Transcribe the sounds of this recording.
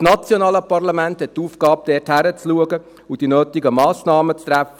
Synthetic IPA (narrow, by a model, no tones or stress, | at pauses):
snɑt͡sjɔnɑːləpɑrlɑmænthɛt̚tuːfɡ̥ɑːp̚d̥ɛthæɾət͡sluəɡə | ud̥inøːtɪɡəmɑːsnɑːmət͡st̪ɾæfə